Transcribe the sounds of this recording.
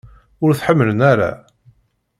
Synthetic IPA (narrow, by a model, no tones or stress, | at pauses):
ʊɾθħəmːələnaɾa̰